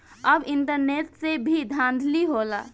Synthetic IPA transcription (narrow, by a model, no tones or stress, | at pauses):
əbɪɳʈəɾneʈsebʱid̪ʱãnd̪ʱliɦola̰